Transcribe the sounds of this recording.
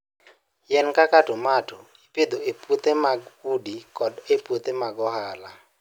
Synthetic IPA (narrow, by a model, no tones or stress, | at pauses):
jɛnkakatomato | iped̪oepwot̪emaɡudikɔdepwot̪emaɡɔhala